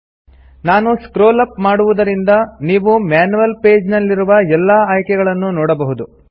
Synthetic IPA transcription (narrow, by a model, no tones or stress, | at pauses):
naːnuskɾoːlɐpmaːɽuʋud̪ɐɾind̪ɐniːʋumaːnuʋɐlpe̞ːd͡ʒnɐlːiɾuʋɐɛlːaːaːjkɛɡɐɭɐnːunɔːɽɐbɐɦud̪u